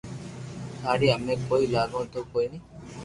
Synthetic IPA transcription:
haːɽiːəmẽːkoːiːlaːɡõːt̪oːkoːiːnəː

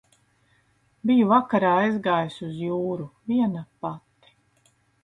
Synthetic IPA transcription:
bijuvakaɾaːizɡaːjsuzjuːɾuviɛnapat̪ːi̥

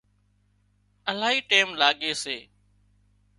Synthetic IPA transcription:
əlaːɦiːʈeːmlaːɠeːseː

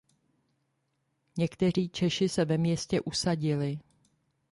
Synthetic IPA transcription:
ɲɛkt̪ɛr̝iːt͡ʃɛʃɪsɛvɛmɲɛscɛʔusaɟɪlɪ

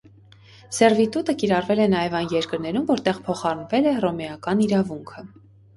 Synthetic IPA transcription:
sɛrvit̪ut̪əkiɾɑrvɛlɛnɑjɛvɑjnjɛɾkəɾnɛɾumvɔɾt̪ɛʁpʰɔχɑrnvɛlɛrɔmɛɑkɑniɾɑvuŋkʰə

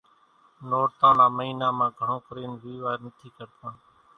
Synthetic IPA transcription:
noːɾt̪ãːnaːməiːnãːmãːɡʱəɳõːkəɾeːnʋiːʋaːɾnət̪ʰiːkəɾt̪ãː

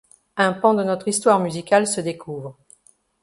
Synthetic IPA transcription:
ɛ̃pɑ̃d̪ənɔt̪χist̪waʁmyzikalsəd̪ekʰuvʁə

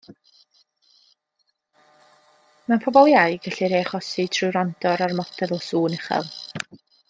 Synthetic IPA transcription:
manpʰɔbɔlˠjajɡəɬiɾeːχɔsitʰrɨwɾandɔɾarmɔtʰɛðɔsuːnɛχɛ̰lˠ

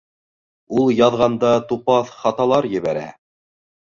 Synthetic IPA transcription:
ulˠjɑðʁɑnd̪ɑt̪upɑθχɑt̪ɑlˠɑɾjɘ̆βæɾæ̰

